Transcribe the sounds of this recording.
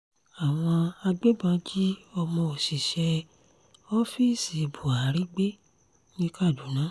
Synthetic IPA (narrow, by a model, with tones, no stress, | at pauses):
a˨w̃ɔ̃˧a˧ɡ͡be˦bã˧˦d͡ʒi˦ɔ˧mɔ̃˧o˨si˨ʃɛ˧ | ɔ˦fi˦˨si˨bu˨a˨˦ɾi˦ɡ͡be˦ | nĩ˦ka˦˨du˨˦nã˨˦